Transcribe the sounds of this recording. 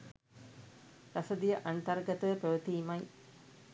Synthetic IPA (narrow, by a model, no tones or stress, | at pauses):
ɾɐsɐd̪ijɐʔant̪ɐrɡɐt̪əʋəpɐʋət̪iːmɐj